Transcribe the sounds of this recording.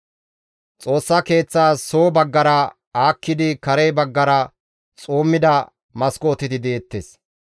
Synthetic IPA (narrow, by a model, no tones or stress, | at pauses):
t͡sʼo̞ːsːɐke̞ːt͡sːaːsoːbɐɡːɐɾɐ | aːkːɪd̪ɪkɐɾejbɐɡːɐɾɐ | t͡sʼoːmːɪd̪ɐ | mɐskoːt̪ːɪt̪ɪd̪eːt̪ːes